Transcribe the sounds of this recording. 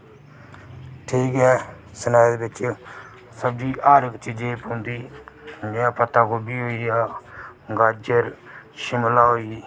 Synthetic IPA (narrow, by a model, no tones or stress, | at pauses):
ʈʰiːkɦɛː | sənaːjd̪eːbɪt͡ʃ | səb̚d͡ʒiːʔaːɾɪkt͡ʃid͡ʒẽːpõnd̪iːd͡ʒjãːpət̪aːkoːbiːɦoːijaːɡaːd͡ʒəɾʃɪmlaːɦoːiː